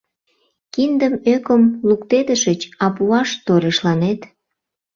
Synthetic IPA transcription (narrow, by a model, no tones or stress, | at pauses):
kind̪əmøkəmlukt̪ed̪əʃət͡ɕɑpuɑʃt̪oɾeʃlɑnet̪